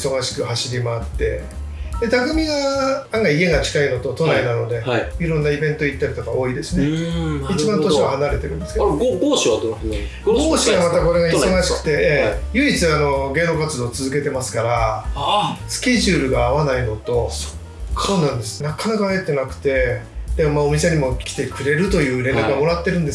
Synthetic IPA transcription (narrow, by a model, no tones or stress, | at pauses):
i̥so̞ɡaɕi̥kɯ̟haɕiɾʲimaːt̪ːe̞̰ | d̪e̞t̪aɡɯ̟mʲiɡaaŋɡaie̞ɡat͡ɕi̥kaino̞t̪o̞t̪onainano̞d̪e̞iɾõ̞nːaibẽ̞nt̪o̞it̪ːaɾʲit̪o̞kao̞ːid̪e̞sɨneit͡ɕibãnt̪o̞ɕiβahanaɾe̞t̪e̞ɾɯ̟̃nd̪esɨkeɡoɡoːɕiad̪oɡɡoːɕiɡamat̪ako̞ɾe̞ɡaiso̞ɡaɕi̥kɯ̥t̪e̞jɯ̟it͡sɨano̞ɡe̞ːno̞kat͡sɨd̪o̞ːt͡sɨzɨke̞t̪e̞masɨ̥kaɾa | sɨ̥kʲe̞ʑɨːɾɯ̟ɡaːβanaino̞t̪o̞so̥ | kːonãnd̪e̞sɨ̥nakanakae̞t̪ːe̞nakɯ̟̥t̪e̞ | d̪̥e̞momaomʲise̞ɲ̟imo̞kʲi̥t̪e̞kɯ̟ɾe̞ɾɯ̟t̪o̞jɯ̟ːɾe̞nɾakɯ̟ɡamo̞ɾat̪ːe̞ɾɯ̟̃nd̪e̞s